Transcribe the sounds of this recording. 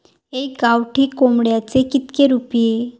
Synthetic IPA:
eɡawʈiːkomɽjat͡sekit̪keɾupije

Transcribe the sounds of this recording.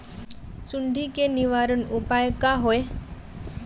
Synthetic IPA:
suɳɖʱikeniʋaɾənupajkaɦoe

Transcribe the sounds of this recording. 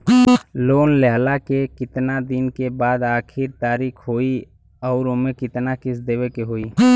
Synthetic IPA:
loːnlɛɦlakekɪt̪nad̪ɪnkebaːd̪aːkʰɪɾt̪aːɾiːkʰɦoːi | ɔːɾomẽkɪt̪nakɪsd̪eːwekeɦoːiː

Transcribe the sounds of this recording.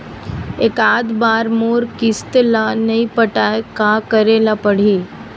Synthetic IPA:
eːkaːd̪baːɾmoːɾkɪst̪lanɐĩpəʈaekakəɾeːlapəɽ̤iː

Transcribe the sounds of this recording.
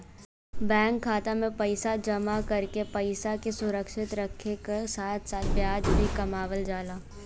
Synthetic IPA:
bɛ̃ːŋkʰːaːt̪amẽpɐɪsad͡ʒɐmakɐɾkepɐɪsakesʊɾəkʃɪt̪ɾɐkʰːekesaːt̪ʰsaːt̪ʰbjaːd͡ʒbʱikɐmaːʋəld͡ʒaːlaː

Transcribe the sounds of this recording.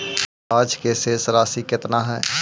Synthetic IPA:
aːd͡ʒkesesɾaːsikɪt̪naɦɛː

